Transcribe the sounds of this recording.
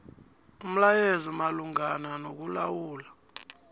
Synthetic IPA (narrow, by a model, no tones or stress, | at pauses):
um̩lajezimaluŋananok̬ulawuːla